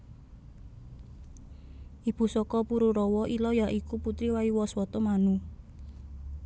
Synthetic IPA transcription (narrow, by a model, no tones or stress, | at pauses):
ʔib̥ṳsɔkɔpuɾuɾɔwɔʔilɔjaʔikuput̪ɾiwaiwɔswɔt̪ɔmanu